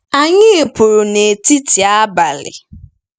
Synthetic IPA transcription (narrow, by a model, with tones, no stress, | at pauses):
a˨ɲɪ˦e˨pʊ˨ɾʊ˨ne˨ti˦ti˨a˦ba˨lɪ̰˨